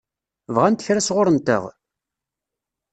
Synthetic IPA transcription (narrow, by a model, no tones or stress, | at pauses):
vʁænt̪əçɾæsʁʊɾənt̪ə̰ʁ